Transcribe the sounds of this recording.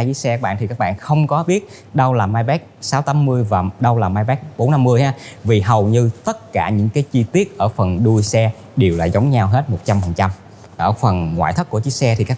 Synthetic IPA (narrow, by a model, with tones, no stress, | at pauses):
jɨ˨˦sɛ˧kaː˦˥ɓa̰ː˧˨nt̪ʰi˨˩kaː˦˥k̚ɓa̰ː˧˨nxə˧wŋ͡mkɔ˨˦ɓi˦˥ət̚ | ɗə˧wlaː˨˩maː˧jɓɛ˦˥k̚saː˨˦wt̪aː˨˦mmɨ˧əjvaː˨˩ɗə˧wlaː˨˩maː˧jɓɛ˦˥k̚ɓo˨˦nːa˧mːɨ˧əjhaː˨˦vi˨˩ɦə˨˩wɲɨ˧t̪ə˦˥t̚kaː˧˩ɲɨ̰˧˥ŋkaː˨˦jt͡ɕi˧t̪i˦˥ət̚ʔəː˧˩fə˨˩nɗu˧jsɛ˧ | ɗe˨˩wla̰ː˨˩jzə˨˦wŋ͡mɲa˧wɦe˦˥t̚mo˨˩t̚t͡ɕa˧mfə˨˩nt͡ɕa˧m | ʔəː˧˩fə˨˩nŋwa̰ː˧˨jt̪ʰk̚ːu˧˩ət͡ɕi˨˦˥k̚sɛ˧t̪ʰi˨˩kaː˦˥